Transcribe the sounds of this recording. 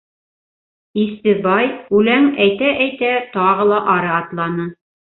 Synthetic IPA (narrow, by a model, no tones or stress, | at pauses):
ist̪ɘ̆ðbɑjʉlæŋæjt̪æʔæjt̪æt̪ɑʁɤlˠɑʔɑɾɤɑt̪lˠɑnɤ